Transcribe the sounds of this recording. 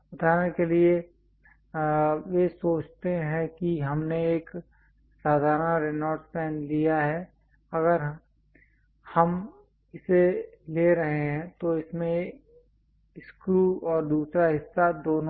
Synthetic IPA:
ʊt̪ʰaːɾnekelie | jesoːt͡ʃt̪eɦɛ̃kiɦɐmneeːk | saːd̪ʱaːɾənɾenɔːɖspɛːnlijaɦɛ | ɐɡəɾ | hɐm | ɪseleɾɐɦeɦɛ̃t̪oɪsmẽ | skɾuɔːɾd̪uːsɾaɦɪsːad̪oːn

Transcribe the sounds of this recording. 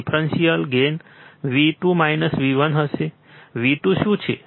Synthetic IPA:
pʰɾənsijəlɡenʋiʈumajnəsʋiʋənɦəse | ʋiʈuʃũt͡ʃʰḛ

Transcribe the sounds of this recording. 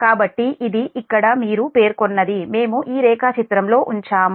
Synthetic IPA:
kaːbɐʈːiʔid̪iʔikːɐɽɐmiːɾupe̞ːɾkonːɐd̪ime̞ːmuʔiːɾɛːkaːt͡ʃit̪ɾɐmlo̞ːʔuɲt͡ʃaːm

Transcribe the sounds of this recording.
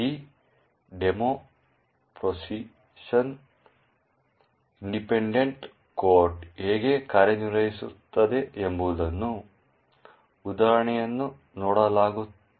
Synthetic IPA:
iː | ɖemo | pɾosi | ʂɐn | iɳɖipeɳɖeɳʈ | koːɾʈeːɡekaːɾɐɲirɐjisṵt̪ːɐd̪eembuːd̪ɐnːu | ud̪aːɾɐɳɐjɐnːu | noːɽɐlaːɡu

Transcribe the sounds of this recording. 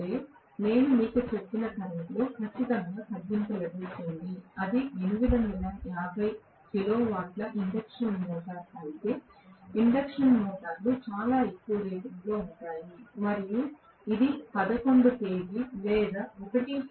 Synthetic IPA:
eː | ne̞ːnumiːkut͡ʃepːinɐt̪ɐɾɐʈlo̞ːkʰɐt͡ʃːit̪ɐŋɡaːp̪ɐd̪ːimpɐlɐbɐjt̪oːnd̪iɐd̪ienuʋid̪ʱɐminɐmjaːbʱɐj | kilo̞ːʋaːʈlɐʔiɳɖɐkʂɐnmɔːʈaːɾɐit̪e̞ːiɳɖɐkʂɐnmɔːʈaːɾlut͡ʃaːlaːekːuʋɐɾeːʈɐlo̞ːuɳʈaːjimɐɾiju | id̪ipɐd̪ɐko̞ɳɖ̪ut̪e̞ːɡilɛːd̪ɐɔkɐʈi

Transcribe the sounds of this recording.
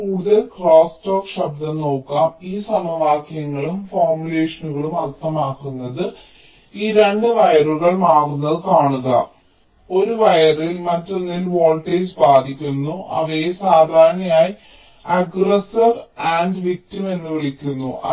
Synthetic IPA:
uːɽuðɐlkroːsʈoːkɕɐb̚d̪ɐno̞ːkːaːmiːsɐmɐʋaːkjɐŋːɐɭumfoːrmjule̞ːʂɐnuɣɐɭumɐt̪ʰːɐmaːkːunːɐðɨ | iːɾe̞ɳɖɨʋɐjɐruɣɐɭmaːɣunːɐðɨkaːɳuɣɐ̰ | o̞ɾuʋɐjɐrilmɐtːonːilʋoːlʈejsbaːd̪ʱikʲːunːuʔɐ̰ʋɐjesaːd̪ʱaːɾnɐmaːji | ɐɡresɐrɐɳɖʋik̚time̞nːɨʋiɭikʲːunːuʔɐ̰

